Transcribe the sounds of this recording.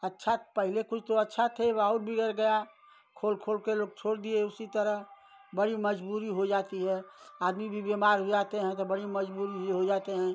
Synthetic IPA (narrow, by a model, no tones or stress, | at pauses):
ətːʃʰapəɦɪlekʊt͡ʃʰt̪oətːʃʰat̪ʰeʋaʊɾbʱiɡəɾɡəja | kʰoːlkʰoːlkeloːɡ̚t͡ʃʰoːɽd̪ieʊsit̪əɾəɦ | bəɽiməd͡ʒbuːɾiɦod͡ʒaːt̪iɦɛaːd̪mibʱibemaːɾɦod͡ʒaːt̪eɦɛ̃t̪obəɽiməd͡ʒbuːɾijeɦod͡ʒaːt̪eɦɛ̃ː